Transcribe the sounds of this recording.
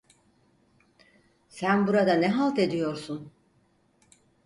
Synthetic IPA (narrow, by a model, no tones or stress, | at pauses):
sænbuɾad̪anɛɦalˠt̪e̞d̪ijo̞ɾsun